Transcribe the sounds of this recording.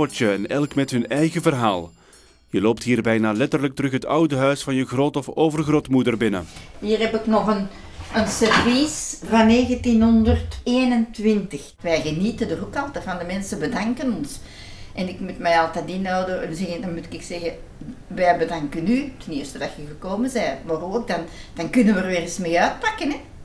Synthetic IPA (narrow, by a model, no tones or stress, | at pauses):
ɔtəɛnɛlˠkmɛtɦɵnɛjɣəvərɦaːlˠ | jəloːp̚tɦiːrbɛjnaːlɛtərlək̚tərɵxɦətʌwdəɦœɥsfɑnjəɣroːtɔfoːvərɣroːtmudərbɪnə̰ɦiːrɛpɪknɔχən | ənsərvisvɑnːeːɣəntinɦɔndərteːnəntʋɪntəx | ʋɛjɣənitəndərukɑlˠtərvɑndəmɛnsəbədɑŋkənɔns | ʔɛnɪkmutmɛjɑlˠtɛdinɑːwdərənzɛɣəndɑnmutɪ̥kɪksɛɣəʋɛbədaŋkənytəniːwstədɑtjəɣəkoːmənzɛːtmaroːk̚dɑnd̥ɑnkʏnənʋərʋeːrismeːœːt̚pakənɛ